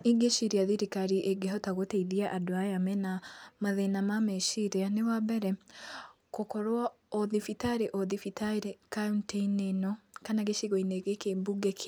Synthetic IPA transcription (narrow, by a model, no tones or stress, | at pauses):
iɡeʃiɾiaðiɾikaɾiʔeɡeɦɔtaɣoteiðiaʔadoajamɛnamaðenamamɛʃiɾeanewabɛɾɛ | kokɔɾwa | ɔðifitaɾeʔɔðifitaiɾekaɔntenenɔkanaɡeʃiɣɔineɡekembuɡekʰ